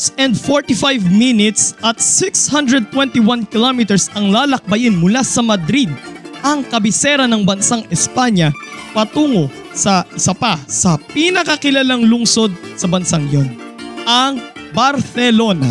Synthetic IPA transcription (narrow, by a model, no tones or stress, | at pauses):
sɛnd̪foɹt̪ifajvminɪt̪sʔɐt̪̚sɪkshand̪ɾɹɛd̪̚t̪wɛnt̪iwankɪlomit̪ɛɹsɐŋlaːlɐk̚bɐʔɪnmʊlasɐmɐd̪ɾid̪̚ʔɐŋkɐbɪsɛɾɐnɐŋbɐnsaŋɛspaɲɐpɐt̪uːŋo | sɐʔɪsɐpɐsɐpinɐkɐkɪlɐlaŋlʊŋso̞d̪̚sɐbɐnsaŋjonʔɐŋbɐɾsɛlo̞na̰